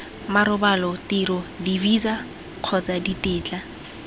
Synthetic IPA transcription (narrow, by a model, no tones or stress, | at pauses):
maɾʊbalɔtɪɾʊdiviza | q͡χʰɔt͡saditɪːt͡ɬʼa